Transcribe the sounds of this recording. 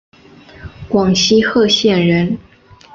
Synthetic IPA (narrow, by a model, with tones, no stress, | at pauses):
kwɑ˨˩ŋɕi˥xɤ˥˧ɕjɛ˥˩nɻə˧˥n